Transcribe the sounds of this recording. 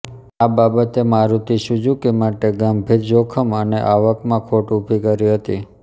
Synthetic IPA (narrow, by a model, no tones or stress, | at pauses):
ababət̪emaɾut̪ʰiʃud͡ʒukemaʈeɡambʱiɾd͡ʒokʰəməneʔaʋəkmãkʰoʈupikəɾiɦət̪i